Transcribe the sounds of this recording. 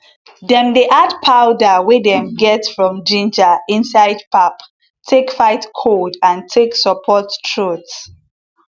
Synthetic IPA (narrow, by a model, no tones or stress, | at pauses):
dɛ̃mdeʔadpʰaʊdawidɛ̃mɡɛtsfɹɔ̃md͡ʒĩnd͡ʒaĩnsaɪd̚pʰap | tʰekfaɪtkʰodãntʰeksəpʰɔttʰɹuts